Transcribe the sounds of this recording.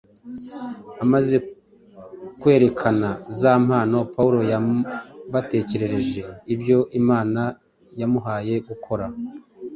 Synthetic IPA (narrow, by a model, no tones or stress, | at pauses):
amaze̞ | kwe̞ːɾe̞kʰanazaːm̥haːno̞pawuɾo̞ja | βate̞ːce̞ɾe̞ɾe̞ʒe̞ibjo̞ʔimaːna | jamuɦaːje̞ɡukʰo̞ɾa